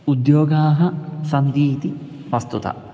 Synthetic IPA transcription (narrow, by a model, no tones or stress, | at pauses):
ud̪joːɡaːɦɐsɐnd̪iːt̪i | ʋɐst̪ut̪ɐ̰